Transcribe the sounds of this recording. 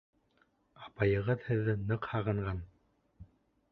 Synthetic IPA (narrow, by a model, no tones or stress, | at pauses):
ɑpɑjɤ̆ʁɤðhɘ̆ðːɘnɤqhɑʁɤ̆ɴʁɑn